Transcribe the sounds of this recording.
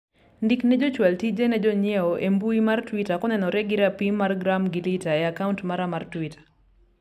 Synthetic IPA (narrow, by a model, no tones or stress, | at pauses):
ndiknɛd͡ʒɔt͡ʃwaltid͡ʒenɛd͡ʒɔɲɛɔʔembuimartwitakɔnɛnɔɾɛɡiɾapimaɾɡɾamɡilitaeakauntmaɾamartwitʰḁ